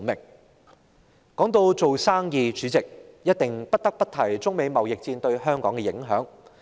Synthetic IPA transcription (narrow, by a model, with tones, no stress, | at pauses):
mɪ˨˩k̚ | kɔː˨˥ŋt̪o˧wt͡so˨wsaː˥ŋjiː˧t͡ʃyː˨˥t͡sɪ˨k̚jɐ˥t̚t̪ɪ˨ŋpɐ˥t̚t̪ɐ˥k̚pɐ˥t̚t̪ʰɐ˨˩jt͡sʊ˥ŋme˨˧jmɐ˨wjɪ˨k̚t͡siː˧nt̪ɵ˧ɥhœː˥ŋkɔː˨˥ŋkɛ˧jɪ˨˥ŋɦœ̰ː˨˥ŋ